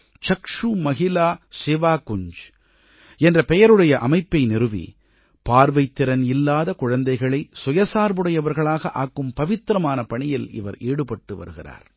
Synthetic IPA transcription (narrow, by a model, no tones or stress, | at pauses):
t͡ʃɐkʂumɐɣɪlaːsɪʋaːkʊɲd͡ʒ | ɛndrɐpɛjɐɾɯɽɐjɐʔɐ̰mɐɪpːɐɪnɪrɯʋḭ | paːɾʋɐɪt̪ːɪɾɐnɪlːaːðɐkʊɻɐnd̪ɐɪɣɐɭɐɪsʊjɐsaːɾʋɯɽɐjɐʋɐɾɣɐɭaːɣɐʔaːkːɯmpɐʋɪt̪ːɾɐmaːnɐpɐɳɪjɪlɪ̰ʋɐ̰ɾeːɽɯpɐʈːɯʋɐ̰ɾɯɣɪra̰ːɾ